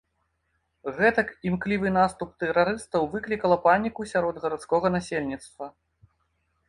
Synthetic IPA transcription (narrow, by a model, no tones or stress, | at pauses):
ɣɛt̪ɐkimklʲivɨnast̪up̚t̪ɛɾaɾɨst̪ɐwvɨklʲikɐlˠɐpanʲikusʲaɾɔd̪ɣɐɾat̪skɔɣɐnasʲelʲnʲit̪st̪vɐ